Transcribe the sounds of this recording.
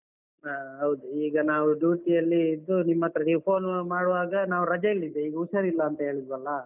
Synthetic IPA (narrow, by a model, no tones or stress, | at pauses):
aɦɐwd̪uiːɡɐnaːʋuɖjuːʈijɐlːiːd̪ːunimːɐt̪ːɐɾɐɖipʰoːnmaːɽʋaːɡɐnaːʋuɾɐd͡ʒɐilːid̪ːeiːɡɐuʃɐɾilːɐːnt̪ɐɦe̞ːɭid̪ʋɐlːɐ